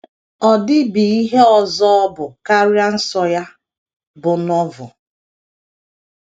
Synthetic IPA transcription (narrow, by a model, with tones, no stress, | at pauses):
ɔ˨dɪ˦bi˨i˦ɦe˦ɔ˨zɔ˦ɔ˦bʊ˨ka˦ɾja˦n̩˦sɔ˦ja˦ | bʊ˨nɔ˦vʊ̰˨